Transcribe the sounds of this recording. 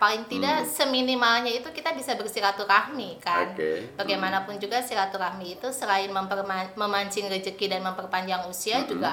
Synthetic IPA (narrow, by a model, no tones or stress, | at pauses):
palɪŋt̪idasəminimalɲait̪ukit̪abisabərsiɾat̪uɾahmikanbaɡajmanapʊnd͡ʒuɡasiɾat̪uɾahmiːt̪usəɾaɪnməmpərmaməmaɲt͡ʃɪŋrəd͡ʒəkidanməmpərpaɲd͡ʒaŋusiad͡ʒuɡa